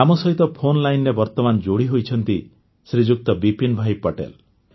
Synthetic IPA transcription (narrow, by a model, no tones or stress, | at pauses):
amɔsɔɦit̪ɔpʰonlajnɾebɔɾt̪ɔmand͡ʒoɽiɦojt͡ʃʰɔnt̪i | sɾid͡ʒuk̚t̪ɔbipinbʱajpɔʈḛl